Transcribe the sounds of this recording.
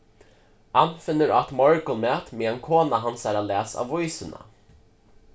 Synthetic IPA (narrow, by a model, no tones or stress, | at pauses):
hanfɪnːəɾat̪mɔɹkəlmɛːt̪meːɛnkʰoːnaɦansæːɾalɛːsa̰ːʋvɔjsəna̰